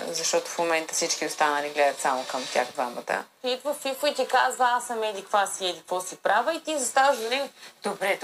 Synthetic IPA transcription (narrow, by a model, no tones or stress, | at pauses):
zɐʃt̪ɔt̪ʊ̥fmomɛnt̪ə̥fsit͡ʃk̟iost̪anɐliɡlɛd̪ɐt̪samokɐmt̪ʲa̰xd̪vamə̰t̪ə̰fit̪vəfifʊit̪ʲɛkazvɐasɐmɛd̪ikvasiɛd̪ikvɔsipɾavəit̪izɐst̪avəʒd̪ɐɾid̪̥obɾɛt̪